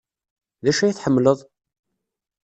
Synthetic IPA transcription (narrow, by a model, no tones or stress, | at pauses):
ðæʃæjiθħəmːləðˤ